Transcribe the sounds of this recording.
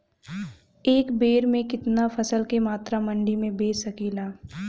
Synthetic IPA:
eːkbeːɾmẽkɪt̪nafʰɐsəlkemaːt̪ɾamɐ̃ɳɖimẽbeːsɐkiːlaː

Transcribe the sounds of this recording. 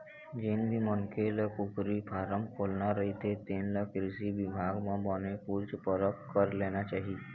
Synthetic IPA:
d͡ʒɪnbʱiməŋkeləkʊkɾipʰaːɾəmkʰoːlnaɾɐɦit̪ʰet̪eːnləkɾɪsiʋɪbʱaːɡmãbənekuːɾt͡ʃpəɾəkkəɾleːnat͡ʃaːɦi

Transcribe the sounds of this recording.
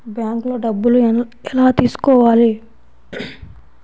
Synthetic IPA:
bjaːŋkloːɖɐbːuluɛlaːt̪iːsu̥kɔːʋaːli

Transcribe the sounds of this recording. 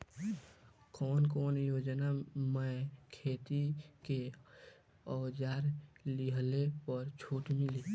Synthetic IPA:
kɔːnkɔːnjoːd͡ʒnaməkʰeːt̪ike | ɔːd͡ʒaːɾliɦlepɔɾt͡ʃʰuːʈmɪli

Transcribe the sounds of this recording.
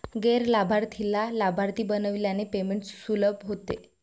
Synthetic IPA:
ɡeɾlabʱaɾt̪ʰilalabʱaɾt̪iːbənəʋljanepemeɳʈsːuləbʱɦot̪ḛ

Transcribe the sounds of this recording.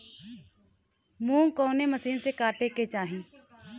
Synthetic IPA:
mũːkoːneməsiːnsekaːʈeket͡ʃaːɦĩː

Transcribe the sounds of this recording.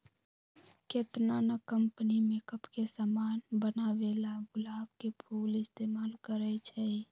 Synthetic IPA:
keːt̪nanəkːəmpənimekəpkesamaːnbənaʋelaɡʊlaːbkepʰuːlɪst̪eːmaːlkəɾət͡ʃʰɛ

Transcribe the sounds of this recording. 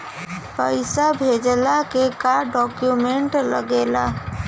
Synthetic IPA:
pəɪsabʱed͡ʒlakekaɖɔkjumeɳʈlə̰ɡela

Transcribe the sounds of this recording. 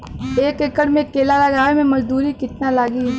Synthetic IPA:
eːkekəɽmẽkeːlalɐɡaːʋemẽmɐd͡ʒd̪uːɾikɪt̪nalaːɡiː

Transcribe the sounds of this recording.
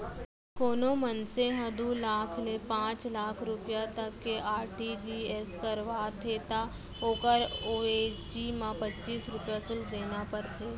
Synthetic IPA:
koːnomənseɦɐd̪ulaːkʰlepãːt͡ʃlaːkʰɾʊpjat̪ɐkːeʔaːɾʈid͡ʒieːskəɾʋaːt̪ʰeːt̪a | oːkəɾoːed͡ʒimãpətːt͡ʃiːsɾʊpjasʊld̪eːnapəɾt̪ʰeː

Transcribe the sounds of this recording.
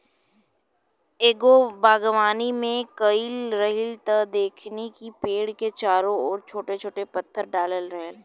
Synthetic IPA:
eːɡobaːɡʋaːnimẽkəɪlɾəɦɪlt̪ɐd̪eːkʰnekipeːɽket͡ʃaːɾõɔːɾt͡ʃʰoːʈet͡ʃʰoːʈepɐt̪ʰːəɾɖaːləlɾəɦəl

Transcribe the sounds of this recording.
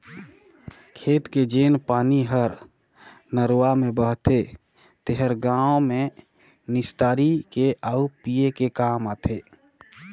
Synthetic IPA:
kʰeːt̪ked͡ʒeːnpaːniɦəɾ | nəɾwamẽbəɦt̪ʰe | t̪eɦəɾɡaome | nɪst̪aːɾikeʔaupijekekaːmaːt̪ʰe

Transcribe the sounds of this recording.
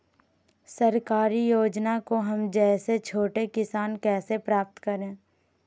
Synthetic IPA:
səɾkaːɾijoːd͡ʒnakoɦɐmd͡ʒɛːset͡ʃʰoːʈekɪsaːnkɛːsepɾaːp̚t̪kəɾẽː

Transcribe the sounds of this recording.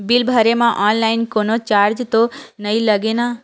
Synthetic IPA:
bɪlbʱəɾemãʔɔːnlaɪnkoːnot͡ʃaːɾd͡ʒt̪onəiləɡena

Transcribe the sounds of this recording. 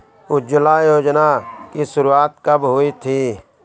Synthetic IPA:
ʊd͡ʒəlajoːd͡ʒnakisʊɾuaːt̪kəbɦoːit̪ʰiː

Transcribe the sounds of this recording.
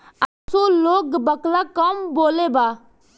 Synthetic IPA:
a | soloːkbəklakəmboːlebaː

